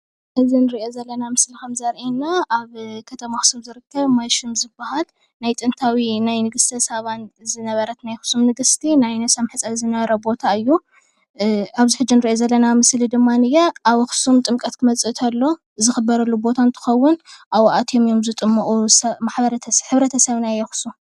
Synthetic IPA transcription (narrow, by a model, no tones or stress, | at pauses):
ʔɨzinɨɾiʔo̞zɐlːɐnamɨslikʰɐmzɐɾʔinːaʔaβkʰɐt̪ʰɐmaxsuβzɨɾɨkʰːɐβmajʃɨmzɨbːahal | najt̪ʼɨnt̪ʰawinajnɨɡɨst̪ʰɐsɐβanzɨnɐβɐɾɐt̪najxu̥sumnɨɡɨst̪ʰinajnɐsɐmħɨt͡sʼɐzɨnɐβɐɾɐbo̞t̪ʰaɨjːu | aβziħɨd͡ʒɪnɨɾiʔozɐlːɐnamɨslid̪ɨmːanɨjaʔaβxu̥sumt̪ʼɨmkʼɐt̪kʰɨmɐt͡sʼɨt̪ʰɐlːo̞ | ɨzɨxɨbːɐɾɐlːubo̞t̪ʰant̪ʰɨ̥xɐwːʊnʔaβʔat̪ʰomijo̞mzɨt̪ʼɨmːɐʔʼusɐmaħbɐɾɐt̪ʰħɨβɾɐt̪ʰɐsɐβnajɛxu̥su